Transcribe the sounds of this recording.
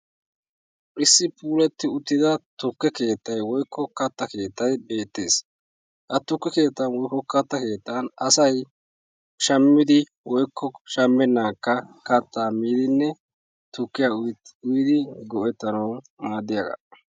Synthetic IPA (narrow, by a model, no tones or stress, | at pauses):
ʔɪsːɪpʰuːlɛt̪ːɪʊt̪ːɪd̪ɐt̪ʊkːɛke̞ːt̪ːɐjwɔjkʰːɔkɐt̪ːɐke̞ːt̪ːɐjbe̞ːt̪ːe̞ːs | hɐt̪ːʊkːɛke̞ːt̪ːɐnwɔjkːɔkɐt̪ːɐke̞ːt̪ːɐnɐsɐj | ʃɐmːɪd̪ɪ | wɔjkʰːɔʃɐmːɛnːaːkːɐkɐt̪ːaːmiːd̪ɪnːɛ | t̪ʊkːɪjaːʊjɪd̪ɪɡɔʔɛt̪ːɐnɐw | maːd̪ːɪjaɡɐ̰